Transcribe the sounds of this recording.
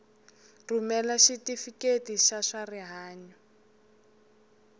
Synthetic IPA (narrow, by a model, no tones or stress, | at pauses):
rumɛlaʃitifiketiʃaʂariɦaːɲɔ